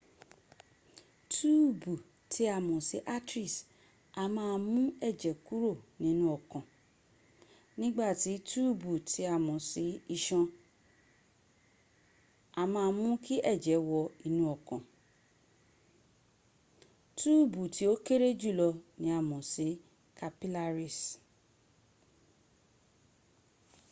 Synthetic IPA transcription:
tu˦bu˨ | tʰi˨˦a˨mɔ̃˨se˨˦ʔa˦tɾi˦˨s | a˧mãː˦˧˦mũ˦ɛ˦˨d͡ʒɛ˨˦ku˦ɾo˦˨nĩ˨˦nũ˦ɔ˦˨kã˨ | nĩ˦ɡ͡ba˦˨ti˨˦tu˦˨bu˨tʰi˨˦a˨mɔ̃˨si˨˦i˧ʃɔ̃˧ | a˨mãː˧mũ˦ki˦ʔɛ˦˨d͡ʒɛ˨˦wɔ˧i˧nũ˦ɔ˨kã˨ | tu˦˨bu˨ti˨˦o˦ke˦ɾe˦d͡ʒu˦˨lɔ˧nĩ˨˦a˦˨mɔ̃˨si˨˦ | ka˧pi˦la˧ɾi˨s

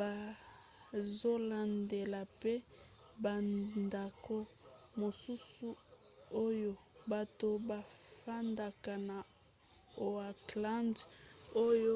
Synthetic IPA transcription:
ba˨ | zo˦la˨nde˨la˨pe˦ | ba˨nnda˨ko˦mo˨su˦su˦ | o˦jo˦ba˨to˨ba˨fa˦nda˨ka˨na˨ | o˨a˨kla˦ndo˦jo˦

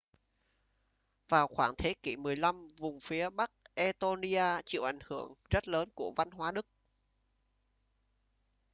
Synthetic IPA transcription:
vaː˨˩wxwaː˧˩ŋt̪ʰe˨˦ki˧˩mɨ˨˩əjla˧mvʊ˨˩ŋ͡mfi˨˦əɓa˦˥k̚ʔɛ˧t̪o˧ni˧ʔaː˧t͡ɕḭ˧˨wʔa˧˩jŋ̟hɨ˧˩əŋzə˦˥t̚ləː˨˦nku˧˩əva˧nɦwaː˨˦ɗɨ˦˥k̚

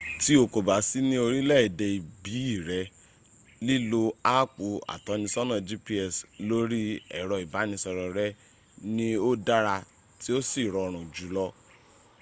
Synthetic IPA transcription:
ti˦o˧˨ko˨ba˨˦si˦nĩ˦o˧ɾi˦lɛ˦i˨dɛ˧i˨bi˨˦i˦˨ɾɛ˨˧˦ | li˦lo˧a˦k͡pu˨a̰˨tɔ˨˧˦nĩ˧sɔ˦nã˦˨d͡ʒi˦pi˧ɛ˨slo˦ɾi˦ɛ̰˨ɾɔ˧i˨ba˨˦nĩ˧sɔ˧ɾɔ˨ɾɛ˦ | nĩ˦o˦da˦ɾa˧ | ti˦o˦si˦˨ɾɔ˧ɾ̃ũ˨d͡ʒu˨˦lɔ˦

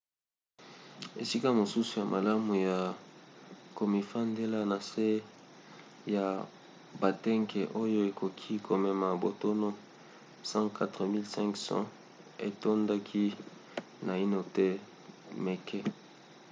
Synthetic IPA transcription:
e˨si˦ka˦mo˨su˦su˨ja˨mʔa̰˨la˦mu˨ja˨ | ko˨mi˨fa˦nde˦la˦na˨se˦ | ja˨ | ba˨tɛ˦ŋkɛ˨ʔo˦jo˦e˨kʰo˨kʰi˦kʰo˨mɛ˨ma˨bo˨to˦no˦ | sã˦ka˦tʁə˨mi˦lsɛ̃˦ŋksã̰˦ | ḛ˨to˦nda˦kʰi˦ | na˨i˦no˦tɛ˦ | mɛ˨kʰɛ˦

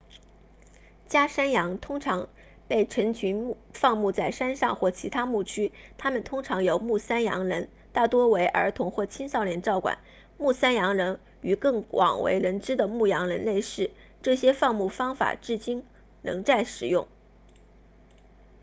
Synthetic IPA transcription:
t͡ɕja˥ʂa˥njɑ˧˥ŋt̪ʰʊ˥ŋʈ͡ʂʰɑ˧˥ŋ | pe˥˩ɪʈ͡ʂʰə˧˥ŋt͡ɕʰy˧˥n˥fɑ˥˧ŋmu˥˧t͡sa˥˩ɪʂa˥nʂɑ˥˧ŋxwɔ˥˩t͡ɕʰi˧˥t̪ʰa˥mu˥˩t͡ɕʰy˥t̪ʰa˥mə˨nt̪ʰʊ˥ŋʈ͡ʂʰɑ˧˥ŋjo˨˩ʊmu˥˩sa˥njɑ̰˧˥ŋɻə˧˥n | t̪a˥˩t̪wɔ˥we˧˥ɪʔə̰˞˧˥t̪ʰʊ˧˥ŋxwɔ˥˩t͡ɕʰi˥nsɑ˥˧ʊljɛ˥˧nʈ͡ʂɑ˥˩ʊkwa̰˨˩˦n | mu˥˩sa˥njɑ˧˥ŋɻə˧˥n | y˨˩kɤ˥˩ŋwɑ̰˨˩ŋwḛ˧˥ɪɻə˧˥nʈ͡ʂɻ̩˥d̪ə˨mu˥˩jɑ˧˥ŋɻə̰˧˥nle˥˧ɪʂɻ̩˥˩ | ʈ͡ʂɤ˥˩ɕjɛ˥fɑ˥˧ŋmu˥˩fɑ˥ŋfa̰˨˩ʈ͡ʂɻ̩˥˩t͡ɕi˥n | nɤ̰˧˥ŋt͡sa˥˩ɪʂɻ̩˨˩jʊ˥˩ŋ

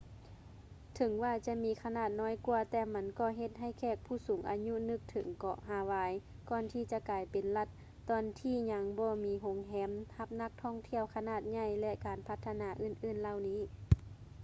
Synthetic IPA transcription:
t̪ʰɤ˨˩˦ŋwaː˧˩t͡ɕa˧ʔmiː˧˥kʰa˧naː˧˩t̪̚nɔː˧˥jkuː˧ɐt̪ɛː˧ma˧˥nkɔː˧˩ɦe˧t̪̚ɦa˧˩jkʰɛː˧˩k̚pʰuː˧˩suː˨˦ŋʔa̰ː˨ɲu˧˥nɯ˧˩k̚t̪ʰɤ̰˨˦ŋkɔ̰ː˧˩ɦaː˧˩waː˧j | kɔː˧˨nt̪ʰiː˧˩t͡ɕa˧kaː˨jpe˨nla˧˩t̪̚ː | ɔː˧nt̪ʰiː˧˩ɲa˧˥ŋbɔː˧˦miː˧˥ɦo˨˧˦ŋɦɛː˨˦˥mha˧p̚na˧k̚t̪ʰɔː˧˥˨ŋt̪ʰi˧˩əwkʰa˧naː˧˩t̪̚ɲa˧˩˨jlɛ˧ʔkaː˨˩npʰa˧t̪ʰːa˧naː˨˧˦ʔɯː˧˩˨nʔɯː˧˩˨nla˧˨wniː˧˥˨

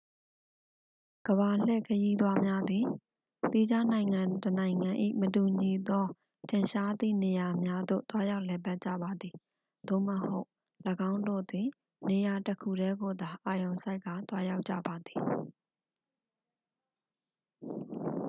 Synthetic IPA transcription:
ɡ̥əβa˨l̥ɛ̰˦˨kʰəji˦d̪wa˦mja˦d̪ði˨ | t̪i˦d͡ʑa˦nã˨ɪ̃ŋã˨tənã˨ɪ̃ŋã˨ʔḭ˦˨mətu˨ɲi˨d̪ɔ˦ | tʰɪ̃˨ʃa˦d̪ḭ˦˨ne˨ja˨mja˦d̪o̰˦˨t̪wa˦ja˦ʊʔlɛ˨ba˦t̚t͡ɕä̰˦˨ba˨d̪ði˨ | d̪̥o̰˦˨məho˦ʊ | ləɡã˦ʊ̃ndo̰˦˨d̪ɪ̃˨ | ne˨ja˨təkʰu˨ɾɛ˦ɡo˨d̪a˨ʔa˨jõ˨ʊ̃sa˦ɪkːa˨t̪wa˦ja˦ʊʔt͡ɕːä̰˦˨ba˨d̪i˨

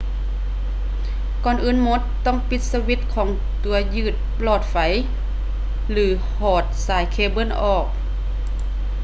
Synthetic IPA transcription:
kɔː˧˩˨nʔɯː˧˥˨nmo˧˥t̪ːɔ˥˨ŋpi˧˦t̪̚sa˧wi˧˦t̪̚kʰɔː˨˩˦ŋ | t̪u˩˦ɐjɯː˧˩t̪̚plɔː˧˩t̪̚fa˨˦j | lɯː˩˦ | hɔː˧˩t̪̚saː˨˩˦jkʰeː˧bɤ˧˥˨nʔɔː˧˨˩k̚

